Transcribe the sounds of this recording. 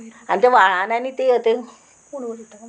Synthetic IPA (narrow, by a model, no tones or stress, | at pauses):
ant̪aʋaɭananit̪eɦət̪e